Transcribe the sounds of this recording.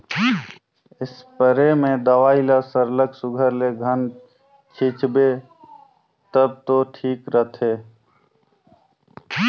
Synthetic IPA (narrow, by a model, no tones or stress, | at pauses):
ɪspəɾemẽd̪əʋaːilasəɾləksʊɡʱəɾleɡʱən | t͡ʃʰit͡ʃbe | t̪əb̚t̪oʈʰiːkɾət̪ʰeː